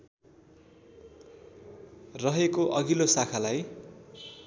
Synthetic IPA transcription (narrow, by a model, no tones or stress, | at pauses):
rʌɦekoʔʌɡilosakʰalaj